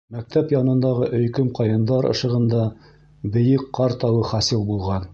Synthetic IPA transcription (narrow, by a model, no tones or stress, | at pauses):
mæk̚t̪ʰæpjɑnɤ̆nd̪ɑʁɤʔɵ̆jkɵmqɑjɤ̆nd̪ɑɾɤ̰̆ʃɤ̆ʁɤ̆nd̪ɑ | bɘ̆jɘkqːɑɾt̪ɑwɤχɑsilˠbulˠʁɑn